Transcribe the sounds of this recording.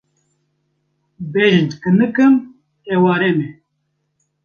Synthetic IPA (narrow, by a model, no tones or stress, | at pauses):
beːʒɨnt̪kɨnɨkɨm | eːwaːɾeːmeː